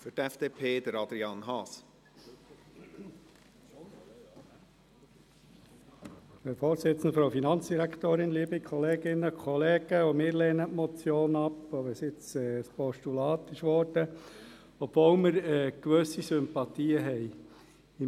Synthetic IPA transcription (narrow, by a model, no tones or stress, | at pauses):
fʏɾtɛfd̪̥eːpʰeːd̥̪əɾɑd̪ɾiɑnɦɑːs | əfoːɾsɪt͡sn̩d̪əfɾowfinɑnt͡sd̥iɾækʰt̪oːɾɪnliːbikʰɔleːɡɪnːəkʰχɔleːɡ̥əomɪːɾleːnətmɔt͡sjoːnɑpoʋɛsɪt͡sɛːspɔʃtulɑːt̪ɪʃʋɔːɾd̥ə | ɔb̥vowməɾɛːkʋøsisʏmpɑt̪iːəɦɛj | ɪ